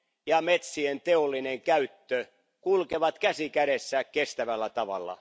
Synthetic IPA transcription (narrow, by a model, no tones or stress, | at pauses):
jɑmet̪sient̪eolːineŋkæyt̪ːø | kulkeʋɑt̪kæsikæɾesːækkest̪æʋælːæt̪ɑʋɑ̰lːɑ̰